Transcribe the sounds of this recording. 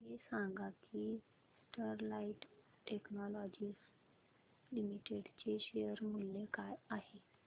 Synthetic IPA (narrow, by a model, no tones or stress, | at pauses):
ɦesãŋɡaki | sʈəɾlaiʈ | ʈeknɔlɔd͡ʑiːs | limiʈeɽt͡ɕeɕejəɾmulːekajaɦe